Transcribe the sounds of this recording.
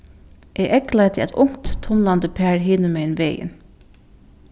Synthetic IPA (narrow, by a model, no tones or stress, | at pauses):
ʔeʔɛklaɪt̪ʰɪæ̰t̪ʊŋ̥t̪ʰːʊnlant̪əpʰæːɹɦɪːnəmeɪnʋeːjɪ̰n